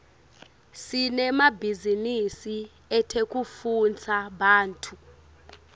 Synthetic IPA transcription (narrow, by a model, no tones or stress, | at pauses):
sinɛmabʱizinisi | ɛtʰek̬ʼufunt͡sʰaɓaːntʰu